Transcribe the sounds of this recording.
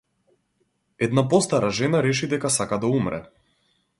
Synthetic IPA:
ɛd̪napɔst̪aɾaʒɛnaɾɛʃid̪ɛkasakad̪aumɾɛ̰

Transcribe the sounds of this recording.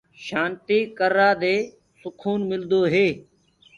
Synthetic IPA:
ʃaːnt̪iːkəɾaːd̪eː | sʊkʰuːnmɪld̪oːɦeː

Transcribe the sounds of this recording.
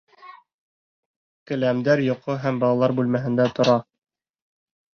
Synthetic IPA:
kɘ̆læmd̪æɾjŏqoɦæmbɑlˠɑlˠɑɾbʉlmæɦɘ̆nd̪æt̪ŏɾɑ

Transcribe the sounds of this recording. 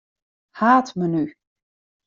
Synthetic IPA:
haːtməny

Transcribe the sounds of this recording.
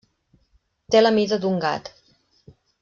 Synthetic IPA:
t̪eləmizəd̪uŋɡa̰t̪

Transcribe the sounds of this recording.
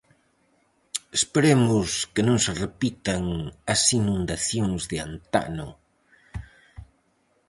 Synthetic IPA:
espeɾemʊskɪnõŋserepit̪aŋɐsinũnd̪aθjoŋzðɪant̪a̰nʊ̰

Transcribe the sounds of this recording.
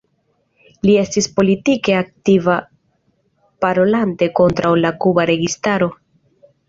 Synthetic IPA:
lie̞stispo̞litike̞ak̚tiva | paɾo̞lante̞ko̞ntɾawlakubaɾe̞ɡistaɾo̞

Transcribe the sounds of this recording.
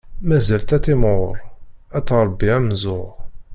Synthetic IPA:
mæzælt̪æt̪ːɪmʁʊɾˤæt͡sːɾˤɾˤbːiæmzʊʁ

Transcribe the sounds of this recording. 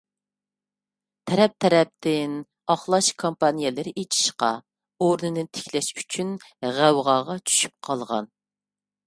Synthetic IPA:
t̪ʰɛɾɛp̚t̪ʰɛɾɛp̚t̪ʰɪn | ɑχlˠɑʃkʰompɑnijɛlɨɾɪʔet͡ʃʰi̥ʃqɑ | oɾnɨnɨt̪ʰɪ̥kʲʰlɛʃy̥t͡ʃʰynʁæwʁɑːʁɑt͡ʃʰy̥ʃy̥p̚qʰɑlˠʁɑ̰n

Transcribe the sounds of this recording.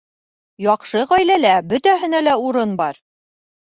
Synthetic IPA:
jɒqʃɤʁɒjlælæbɵ̆t̪æɦɘ̆nælæuɾɤnbɑɾ

